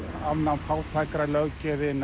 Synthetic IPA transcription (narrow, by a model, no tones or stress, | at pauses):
avnanfawt̪ʰajkɾalœwcɛðɪn